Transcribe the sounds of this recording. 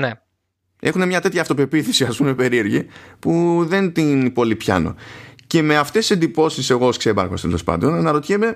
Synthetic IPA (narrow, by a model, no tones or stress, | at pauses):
ne | e̞xune̞mɲɐt̪e̞t̪çɐːft̪o̞pe̞piθisiɐspume̞pe̞ɾie̞ɾʝipuðe̞nt̪inipo̞lipçɐ̰no̞̰ce̞me̞ɐft̪esi̥se̞nd̪ipo̞sise̞ɣo̞sksebɐ̰ɾxo̞st̪e̞lo̞spɐ̰nd̪o̞nɐnɐɾo̞t̪çeme̞